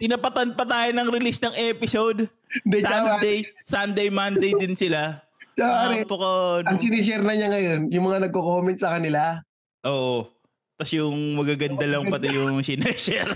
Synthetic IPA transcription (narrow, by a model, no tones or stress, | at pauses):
t̪ɪnɐpɐt̪ɐn̚pɐt̪aːjonɐŋɾɪlisnɐŋʔɛpɪsod̪ | d̪ɛsad̪ejsand̪ejmand̪ejd̪ɪnsɪla | t͡ʃɐaɐnɛpokonɐŋsɪnɛʃ̬ɛɾnɐɲaŋɐjo̞njʊŋmɐŋanɐɡ̚kokomɛnt̪̚sɐkɐnɪla | ʔo̞ːʔo | t̪ɐsjʊŋmɐɡaɡɐnd̪ɐlɐŋpɐt̪ɪjʊŋsɪnɛʃɛɾ